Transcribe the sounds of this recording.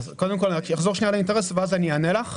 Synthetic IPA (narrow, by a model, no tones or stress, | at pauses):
zkod̪emko̞lkjaχzoʃnijalainteʁesveazanianelaχ